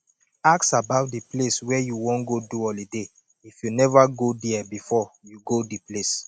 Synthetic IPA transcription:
aksabaʊt̚dipleswɛjuwɔ̃nɡoduɔlide | ifjunɛvaɡodɛɛbifɔjuɡodiples

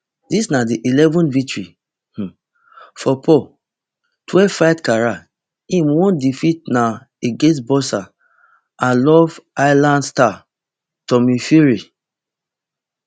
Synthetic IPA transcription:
disnadiʔilɛvɔ̃nvik̚tɹi | h̩ | fɔpʰɔ | twɛvfajtkaɹa | ĩmwɔ̃ndifit̚na | eɡẽns̬bɔsa | ãlɔvajlãndsta | tɔmifiɹi

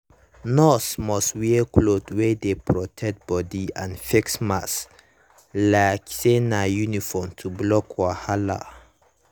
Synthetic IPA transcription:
nɔsmɔswikʰlodwedepʰɹɔtʰɛk̚t̚b̥ɔdiãnfiksmas | laksenajunifɔmtʰublɔkʰwahala̰

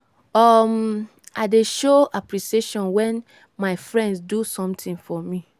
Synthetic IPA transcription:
ɔm | aɪdeʃoapɹiʃieʃɔ̃nwɛ̃n | maɪfɹɛ̃ndsdusɔ̃mtĩŋfɔmi

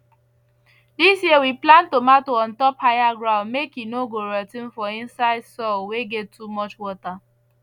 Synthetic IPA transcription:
disjiwiplãntomatoɔ̃ntɔphajaɡɹãʊ̃nmekjinoɡoɹɛtĩnfɔĩnsaɪdsɔlweɡɛtʰːumɔt͡ʃwɔta

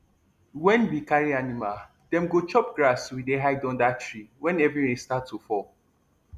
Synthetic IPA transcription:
wɛ̃nbikaɹianimal | dɛ̃mɡot͡ʃɔp̚ɡɹaswideɦaɪdɔ̃ndatɹiwɛ̃nɛvɹiwɛ̃statːufɔ

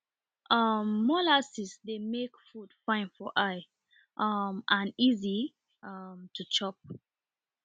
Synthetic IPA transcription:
ʔʌmːɔlasisdemekfud̥fãɪ̃nfɔʔaɪ | ʔʌmãnizi | ʌmtʰut͡ʃɔp̚

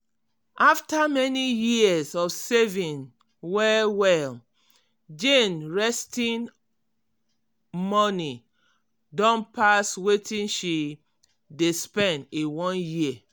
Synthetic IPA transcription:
ʔaftamɛnijisɔfsevĩn | wɛwɛl | d͡ʒẽnɹɛstĩn | mɔni | dɔ̃npaswetĩnʃi | despɛ̃ndewɔ̃nji

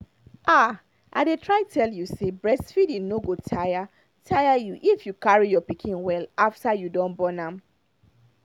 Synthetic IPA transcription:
ʔa | ʔa̰ɪdetʰɹaɪtʰɛljusebɹɛsfidĩnoɡotʰaja | tʰajajuʔifjukaɹijɔpikʰĩnwɛlaftajudɔ̃nbɔnãm

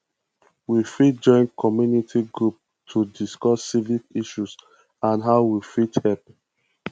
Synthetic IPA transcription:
wifit̚d͡ʒɔ̃ɪ̃nkʰɔmjunitʰiɡɹup̚ | tʰudiskɔsːivikiʃus | ãnɦaʊwifithɛlp

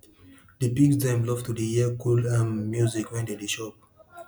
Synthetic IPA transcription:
dipiksdɛ̃mlɔftudiiəkʰulãnmjuzikwɛ̃ndediʃɔp̚

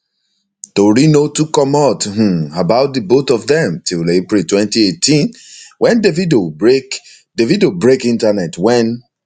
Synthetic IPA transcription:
toɹinotukɔ̃math̩abaʊt̚ðəbotɔvðɛ̃mtillepɹitwɛ̃ntietʰĩnwʔɛ̃ndevidoɹek | devidobɹekĩntanɛtwɛ̃n

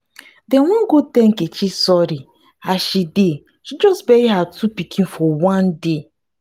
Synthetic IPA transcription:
dɛ̃nwɔ̃nɡud̚tɛ̃ŋket͡ʃisɔɾi | aʃide | ʃid͡ʒɔsbeiɦatʰupikʰĩnfɔwãnde

